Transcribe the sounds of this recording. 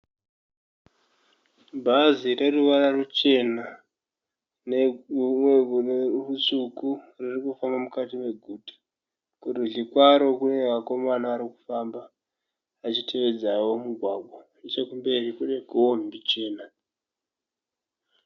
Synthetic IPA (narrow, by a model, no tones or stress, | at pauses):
bʱazire̞ruʋararut͡ʃe̞na | neumwerusuku | ririkufambamukatime̞ɡʱutḁ | kuriɮikwaɾo̞kunemako̞manaːɾiku̥fambaː | t͡ʃitʰe̞ʋe̞d͡zawo̞muɡʱwaɡʱwa | et͡ʃekumbe̞rikune̞koombit͡ʃe̞ːna